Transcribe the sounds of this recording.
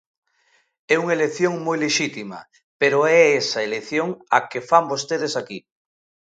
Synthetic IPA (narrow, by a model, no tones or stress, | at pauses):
ɛuŋelekθjoŋmojleʃit̪imɐ̰ | peɾoɛɛsɐeleθjoŋakefambost̪eðesaki